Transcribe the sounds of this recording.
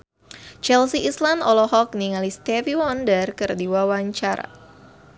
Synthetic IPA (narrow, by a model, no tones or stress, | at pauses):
t͡ʃɛlsiʔislandɔlɔhɔk̚niŋalist̪ɛviwɔndərkɨrdiwawaɲt͡ʃaɾa̰